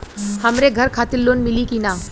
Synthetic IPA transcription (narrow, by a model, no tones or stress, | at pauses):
həmɾeɡʱəɾkʰat̪ilːonmilikina